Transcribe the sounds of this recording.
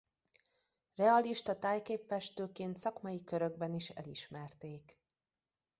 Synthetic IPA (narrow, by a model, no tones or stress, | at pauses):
rɛɒliʃt̪ɒt̪aːjkeːpfɛʃt̪øːkeːnt̪sɒkmɒjikøɾø̞ɡ̚bɛniʃɛ̰liʃmɛrt̪eːk